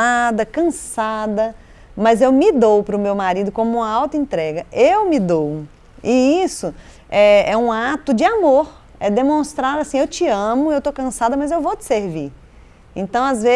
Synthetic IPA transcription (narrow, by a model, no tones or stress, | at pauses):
ad̪ɐkɐ̃sad̪ɐ | mɐzewmɪd̪owpɾʊmewmaɾid̪ʊkõmʊũmɐawt̪ɐẽnt̪ɾɛɡɐewmɪd̪ow | ɪisʊ | ɛɛũat̪ʊd͡ʒɪamoɾ | ɛd̪emõst̪ɾaɾasĩewt͡ʃɪɐ̃mʊewt̪owkɐ̃sad̪ɐmɐzewvowt͡ʃɪ̥seɾvi | ḛ̃nt̪ɐ̃w̃azve